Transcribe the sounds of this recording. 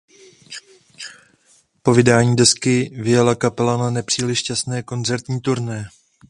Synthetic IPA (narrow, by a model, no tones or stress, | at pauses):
po̞vɪdaːɲiːdɛskɪvɪjɛlakapɛlananɛpr̝̥iːlɪʃcasnɛːko̞nzɛɾt̪ɲiːt̪uɾnɛː